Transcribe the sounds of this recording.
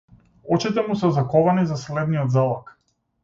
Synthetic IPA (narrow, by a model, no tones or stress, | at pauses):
ɔt͡ʃit̪ɛmusɛzakɔvanizaslɛd̪nijɔd̪zalˠak